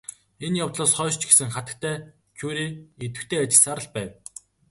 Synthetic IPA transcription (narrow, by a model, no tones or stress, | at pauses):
enjawt̪ɮʊːsχœːʃt͡ɕɡesɘ̆ŋχat̪ə̆k̚t̪ʰæː | t͡ɕʰuːɾiːet̪ɘ̆kt̪ʰeːat͡ɕɪ̆ɮsaːɾə̆ɮpæːw